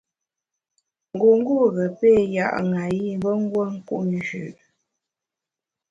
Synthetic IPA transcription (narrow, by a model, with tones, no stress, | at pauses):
ŋ˨ɡu˨ŋ̩˦ɡu˦˨ɣə˨pe˦˨ja̰˦˨ʔŋa˨ji˦bə˦ŋ˦ɡwə˦ŋ̩˦kṵ˦ʔn˨ʒʉ˨ʔ